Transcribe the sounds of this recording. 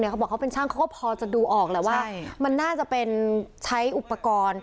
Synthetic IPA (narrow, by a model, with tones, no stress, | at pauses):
ni˧˩a˦˥bɔː˨˩kʰa˦˥pe˧nt͡ɕʰaː˥˩ŋkʰa˦˥kɔ˥˩pʰɔː˧t͡ɕa˨˩duː˧ʔɔː˨˩k̚lɛː˧˩waː˥˩˥ma˧nːaː˥˩t͡ɕa˨˩ʔpe˧nt͡ɕʰa˦˥jʔu˨˩pːa˧kɔː˧n